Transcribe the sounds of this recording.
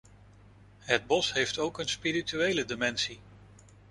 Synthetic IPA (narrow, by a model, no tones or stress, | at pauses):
ɦəd̚bɔsɦejftowkənspirityejlədɪmɛnsi